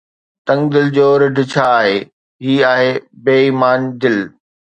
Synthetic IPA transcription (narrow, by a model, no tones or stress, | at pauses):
t̪ɐ̃ŋd̪ɪld͡ʑoːɾɪɖʱɪ̆t͡ɕʰaːɦeː | ɦiːaːɦeːbeːiːmaːnd̪ɪl